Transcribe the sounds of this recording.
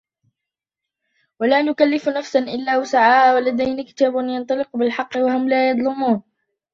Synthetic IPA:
walaːnʊkalːɪfnafsanʔɪlːaːwasaʕaːʔwalad̪ajnakɪ̥t̪aːbʊnjɑnt̪ˤɑlɪqbɪlħɑqːɪwaɦʊmlaːjɑd̪ˤlʊmuːn

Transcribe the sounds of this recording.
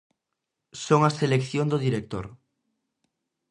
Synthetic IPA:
soŋaselekθjond̪oðiɾek̚t̪o̰ɾ

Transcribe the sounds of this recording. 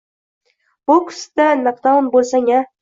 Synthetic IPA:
b̥ʊkʰʊ̥st̪anɨq̚d̪ɒnbolsaŋa

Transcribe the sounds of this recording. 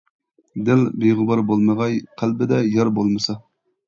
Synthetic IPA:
d̪ɪlbeʁʊbɑɾbolˠməʁɑjqʰælbɪd̪ɛjɑɾbolˠmɨsɑ

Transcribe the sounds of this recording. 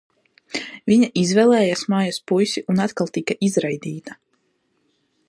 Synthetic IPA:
viɲaʔizvɛlˠɛːjasmaːjaspujsʲiʔunat̪kalˠt̪ikaʔizɾajd̪iːt̪a

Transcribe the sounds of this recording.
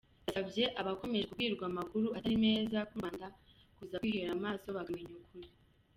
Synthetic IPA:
asavje̞ʔaβako̞meʒekukɡiːɾɡwamakuɾuataɾime̞ːzakuaːnda | kuzakwiːheɾamaːso̞βaɡamiɲukuɾi

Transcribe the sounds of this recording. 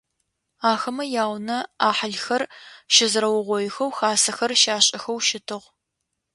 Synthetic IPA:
aːxɐmɐjaːwnɐaːħaɮxɐrʃɪzɾɐwʊʁʷɔjɪxɐwxaːsɐxɐrʃaːɕʼɐxɐwʃɪtʰɨʁ

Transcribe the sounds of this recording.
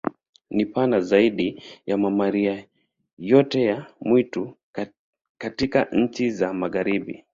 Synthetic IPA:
nipanazaiɗijamamaɾia | jɔtɛjamwitu | katikaɲ̩t͡ʃizamaɣaɾiɓḭ

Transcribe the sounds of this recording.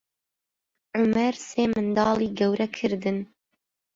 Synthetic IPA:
ʕʊmɛɾseːmɨnd̪ɑːliːɡɛwɾʔɛkʰɨɾd̪ɨn

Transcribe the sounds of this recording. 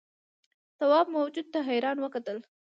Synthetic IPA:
t̪awɑb̚mawd͡ʒud̪̚t̪aɦajɾɑnwəkat̪əl

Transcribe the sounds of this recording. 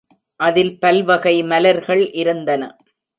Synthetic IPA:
ʔɐðɪlpɐlʋɐɣɐɪmɐlɐɾɣɐɭʔɪɾɯnd̪ɐnɐ̰

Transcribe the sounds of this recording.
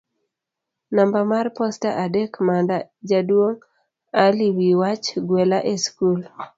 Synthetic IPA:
nambamarpɔstaʔadekmandad͡ʒadwoŋ | aliwiwat͡ʃɡwelaʔeskul

